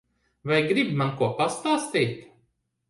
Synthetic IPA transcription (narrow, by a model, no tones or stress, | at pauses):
vajɡɾibmankuɔpast̪aːst̪iːt̪